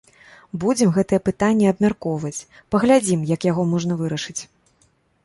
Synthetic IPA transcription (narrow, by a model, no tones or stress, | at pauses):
bud͡zʲɛmɣɛt̪ɨjɛpɨt̪anʲːɛɐbmʲarkɔvɐt͡sʲ | pɐɣlʲad͡zʲimjɐkjaɣɔmɔʐnɐvɨɾɐʂɨt͡sʲ